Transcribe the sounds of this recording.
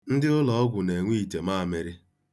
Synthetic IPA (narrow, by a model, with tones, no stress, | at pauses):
n̩˦dɪ˦ʊ˦lɔ˨ɔ˦ɡʷʊ˨ne˨ŋʷi˦i˨te˨ma˦a˨me˨ɾɪ˦